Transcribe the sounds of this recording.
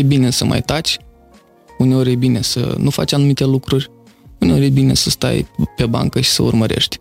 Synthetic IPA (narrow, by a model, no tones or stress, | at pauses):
jebine̞səmʔa̰jt̪at͡ʃʲ | une̞o̞ɾʲjebine̞sə̰nufa̰t͡ʃʲanumit̪e̞lukɾurʲ | une̞o̞ɾʲje̞bine̞̰səst̪a̰jpe̞ba̰ŋkəʃi̥sə̰ṵrməɾe̞̰ʃt̪ʲ